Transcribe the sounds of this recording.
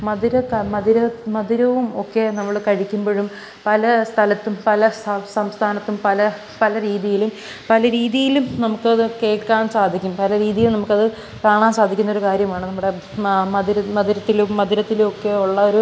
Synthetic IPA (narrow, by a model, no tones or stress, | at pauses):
mɐðiɾɐkmɐðiɾɐmɐðiɾɐʋumo̞kːe̞nɐmːɐɭkɐɻikʲːumboɻum | pɐlɐst̪ʰɐlɐt̪ːumpɐlɐsɐsɐmst̪ʰaːnɐt̪ːumpɐlɐ | pɐlɐɾiːðijilum | pɐlɐɾiːðijilumnɐmukːɨɐðɨke̞ːʈkaːnsaːd̪ʱikʲːumpɐlɐɾiːðijilnɐmukːɐðɨ | kaːɳaːnsaːd̪ʱikʲːunːo̞ɾukaːɾjɐmaːɳɨnɐmːuɽe̞ | mɐðiɾɐmɐðiɾɐt̪ːilumːɐðiɾɐt̪ːilumo̞kːe̞uɭːɐo̞ɾu